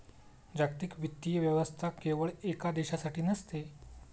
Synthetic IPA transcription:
d͡ʑakt̪ikʋit̪ːijəʋjəʋəst̪ʰakeʋəɭekad̪eɕasaʈiːnəst̪e

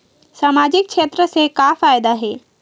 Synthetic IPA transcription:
saːmaːd͡ʑɪkʃʰeːt̪ɾəsekafaːjd̪aɦeː

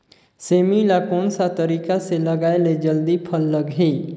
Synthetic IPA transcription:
seːmilakɔːnsat̪əɾiːkaseləɡaːeled͡ʒəld̪ipʰəlːəɡɦe

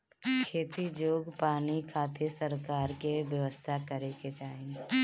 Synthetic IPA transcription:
kʰeːt̪id͡ʒoːɡpaːnikʰaːt̪ʰesəɾkaːɾkeʋjəʋəst̪ʰakəɾeked͡ʒaːɪ̃

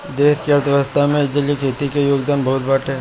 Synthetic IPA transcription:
d̪eːskiət̪ɾəst̪ʰamẽɪd͡ʒəlikʰeːt̪ikejoːɡd̪aːnbɐɦʊt̪̚bəʈʰɛː

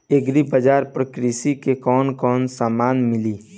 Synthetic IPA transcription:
eɡɾibad͡ʒaːɾpɾəkɾisikekɔːnkɔːnsaːmaːnmɪliː

